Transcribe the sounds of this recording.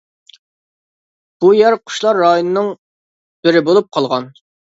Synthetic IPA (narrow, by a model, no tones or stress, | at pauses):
b̥ujæɾqʰʊ̥ʃlˠɑɾːɑjonɨnɨŋ | b̥ɪɾɪbolˠup̚qʰɑlˠʁɑn